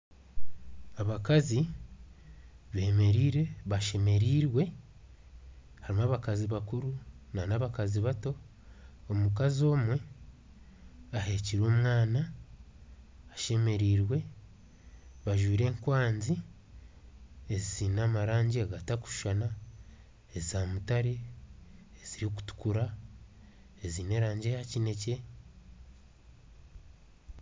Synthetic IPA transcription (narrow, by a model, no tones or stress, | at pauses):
aβakazi | βe̞ːme̞ɾiːɾe̞βaʃe̞me̞ɾiːɾwe̞ | haɾimaːβakaziβakuɾunanaβakaziβato̞ː | mukazo̞ːmwe̞ | ahe̞ciɾo̞ːmwaːna | ʃe̞me̞ɾiːɾwe̞ | βaʒwiːɾe̞ːŋkwaːnzi | eziziːnaːmaɾaːɲɟiaɡataku̥ʃu̥ʃana | ezizamutaɾeː | ez̥iɾioku̥tu̥kuɾa | eziːne̞ːɾaːɲɟe̞jacine̞ce̞